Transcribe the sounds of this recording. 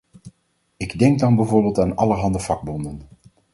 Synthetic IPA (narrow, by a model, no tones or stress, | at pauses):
ɪɡdɛŋɡdɑnbɛjvʊːɹbeːlˠtaːnɑ̰ləɹɦɑndəv̥ɑɡ̚bɔndən